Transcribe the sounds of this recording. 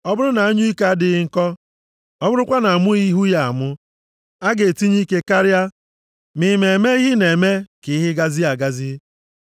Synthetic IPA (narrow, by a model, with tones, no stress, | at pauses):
ɔ˦bʊ˦ɾʊ˦na˨a˦ɲʊ˦i˦ka˦a˦dɪ˨ɣɪ˦ŋ̩˦˨kɔ˦ | ɔ˦bʊ˦ɾʊ˦kʷa˦na˨a˨mʊ˦ɣi˦ɦu˦ja˨a̰˨mʊ˦ | a˦ɡe˨ti˦ɲi˦ke˦ka˦ɾja˦ | mɪ˨me˨me˦i˦ɦɪ˦ne˨me˦kɪ˨˦ɦɪ˦ɡa˦zi˦a˨ɡa˦zi˦